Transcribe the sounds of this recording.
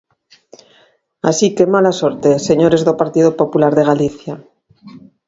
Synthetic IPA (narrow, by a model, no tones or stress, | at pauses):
a̰sikemalasoɾt̪eseɲoɾe̞zðopaɾt̪iðopo̞pulaɾðe̞ɣ̞aliθja